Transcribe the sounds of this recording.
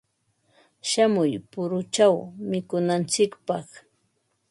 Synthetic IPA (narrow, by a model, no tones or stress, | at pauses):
ʃamʊjpʊɾʊt͡ʃawmɪkʊnant͡sɪkpɑχ